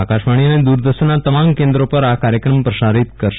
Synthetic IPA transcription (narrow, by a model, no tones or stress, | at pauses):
akaʃʋaɽ̃iəned̪uɾd̪əʃənːat̪əmamkẽnd̪ɾopəɾakaɾjəkɾəmpɾəʃaɾit̪kəɾʃ